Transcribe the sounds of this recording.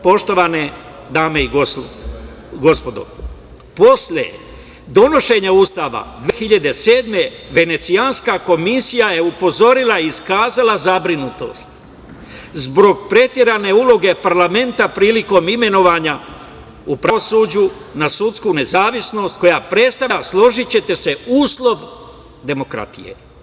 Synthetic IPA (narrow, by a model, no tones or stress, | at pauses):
po̞ʃt̪o̞ʋane | d̪aːme̞iɡo | ɡo̞spo̞d̪o̰ | po̞sʎʲḛ | d̪o̞no̞ʃe̞ɲaust̪aːʋa̰d̪ʋexiʎad̪e̞seːd̪me̞ | ʋe̞ne̞t̪sianskako̞misijaje̞upo̞zo̞ɾilˠaiːskaːzalazabɾinut̪o̞̰st̪ | zbo̞ɡpɾe̞t̪je̞ɾane̞ulo̞ɡe̞paɾlame̞nt̪apɾiːliko̞ːmime̞no̞ʋaɲa | upɾaosuːd͡ʑu | nasut̪skune̞zaːʋisno̞ːst̪̚ko̞japɾet̪st̪aaslˠo̞ʒit͡ɕe̞t̪e̞se̞uːslˠo̞ʋ | d̪e̞mo̞kɾa̰t̪ḭje̞̰